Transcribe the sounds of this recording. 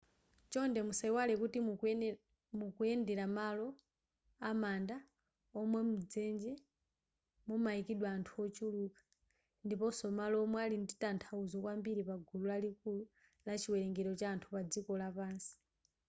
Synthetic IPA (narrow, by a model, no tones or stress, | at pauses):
t͡ʃɔndɛmusaiwalɛkuti | mukujɛndɛɾamalɔ | amanda | ɔmwɛmud͡zɛnd͡ʒɛ | mɔmaikiɗwaːntʰuɔt͡ʃuluːkḁ | ndipɔsɔmalɔːmwɛalinditantʰauzɔkwambiɾipaɡʱululalikulu | lat͡ʃiwɛlɛŋɡɛɾɔt͡ʃaːntʰupad͡zikɔlapaːnsi̥